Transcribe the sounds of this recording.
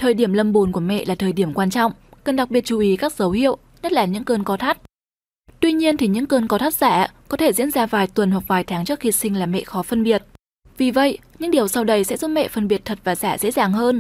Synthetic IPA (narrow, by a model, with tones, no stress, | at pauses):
t̪ʰəː˨˩jɗi˧˩əmlə˧mɓu˨˦nku˧˩əmɛ̰˧˨laː˨˩t̪ʰəː˨˩jɗi˧˩əmkwaː˧nt͡ɕɔ̰˧˨wŋ͡mkə˨˩nɗa˨˩ɓi˨˩ət̚t͡ɕu˨˩ʔi˨˦kaː˦˥k̚zə˨˦whḭ˧˨əwʔ | ɲə˦˥t̚laː˨˩ɲɨ̰˧˥ŋkəː˧nkɔ˨˦t̪ʰa˦˥t̚ | t̪wi˧ɲi˧ənt̪ʰi˨˩ɲɨ̰˧˥ŋkəː˧nkɔ˨˧˦t̪ʰa˦˥t̚z̥aː˧˩kɔ˨˦t̪ʰe˧˩zḭ˧˥ənzaː˧vaː˨˩jt̪wə˨˩nhwa˨˩k̚vaː˨˩jt̪ʰaː˨˦ŋt͡ɕɨ˦˥əkxi˧sï˧ŋ̟laː˨˩mɛ̰˧˨xɔ˨˦fə˧nɓi˨˩ət̚ | vi˨˩və̰˧˨jɲɨ̰˧˥ŋɗi˨˩əwsa˧wɗə˧jsɛ̰˧˥zu˦˥t̚mɛ̰˧˨fə˧nɓi˨˩ət̚t̪ʰə˨˩t̚vaː˨˩zaː˧˩zḛ˧˥zaː˨˩ŋɦəː˧n